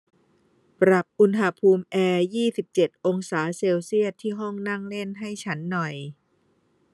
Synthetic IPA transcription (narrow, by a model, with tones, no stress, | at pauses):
pɾa˨˩p̚ʔu˧nɦa˧pʰuː˧mʔɛː˧jiː˥˩si˨˩p̚t͡ɕe˨˩t̪̚ʔo˧ŋsaː˩˦seː˧wsi˥˩ət̪ʰːiː˥˩ɦɔ˥˩ŋna˥˩ŋle˥˩nɦa˥˩jt͡ɕʰa˦˥nːɔ˨˩j